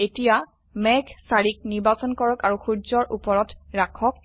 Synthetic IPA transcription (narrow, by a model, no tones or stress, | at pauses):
etija | mɛɡʱsaɹik̚niɹbasɔnkɔɹɔkaɹuxuzɔɹʔupɔɹɔtɹakʰɔk̚